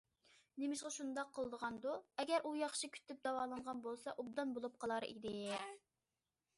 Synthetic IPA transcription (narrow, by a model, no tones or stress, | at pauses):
nemɪʃqɑʃund̪ɑqʰːəlˠd̪əʁɑnd̪uɛɡʲɛɾʔujɑχʃikʲʰy̥t̪ʰːyp̚d̪ɑwɑːlˠɑnʁɑnbolˠsɑʔub̚d̪ɑnbolˠup̚qʰɑlˠɑɾḭd̪ɪ